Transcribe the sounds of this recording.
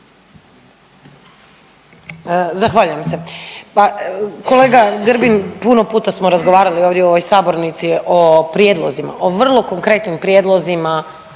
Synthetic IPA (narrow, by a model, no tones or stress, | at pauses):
zaxʋaːʎujemsepako̞le̞ːɡaɡr̩binpuno̞puːt̪asmoɾazɡoʋaːɾalio̞ːʋd̪jeoo̞ʋojsaːbo̞ɾnit̪siʔopɾjed̪lˠo̰zima̰ʔoʋr̩lˠo̞ko̞ŋkɾe̞t̪nimpɾjed̪lˠo̞zima